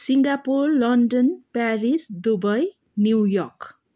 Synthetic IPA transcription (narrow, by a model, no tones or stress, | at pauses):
siŋɡapurlʌnɖʌnpaɾisd̪ubʌj | njuwjʌrk